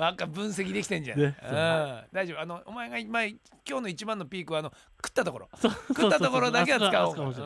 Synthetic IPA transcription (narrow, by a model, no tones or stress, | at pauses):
bakːabɯ̟̃ɰ̃s̬e̞kʲid̪e̞kʲi̥t̪ẽ̞ɲd͡ʑã̰nɯ̃d̪aiʑo̞b̟ano̞omaeɡaimae | kʲo̞ːno̞it͡ɕibãnːopʲiːkɯβaːno̞ | kɯ̥t̪ːat̪o̞ko̞ɾokɯt̪ːat̪oko̞ɾod̪ake̞daɨ̥kao